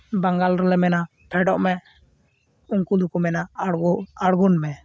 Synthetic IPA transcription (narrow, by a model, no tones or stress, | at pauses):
baŋɡalɾɛlɛmɛna | pʰɛɖɔʔmɛ | uŋkulukumɛna | aɽɡunmɛ